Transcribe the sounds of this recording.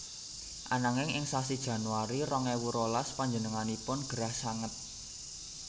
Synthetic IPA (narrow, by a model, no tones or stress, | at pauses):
ʔanaŋɪŋɪŋsasid̥ʒ̥ä̤nuwaɾirɔŋɛwuɾolaspaɲd͡ʒənəŋanipʊnɡ̥əɾahsaŋət̪̚